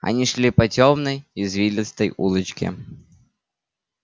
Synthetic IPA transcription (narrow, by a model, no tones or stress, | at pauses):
ɐ̰nʲiʂlʲipɐt͡sʲɔmnɐjizvʲilʲɪt̪st̪əjṵlˠɨt͡ɕkʲɪ̰